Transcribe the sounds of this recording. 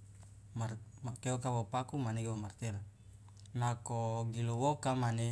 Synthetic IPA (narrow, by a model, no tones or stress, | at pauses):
marmakeokawopakumaneɡewomart̪ɛr | nakoɡilowokamane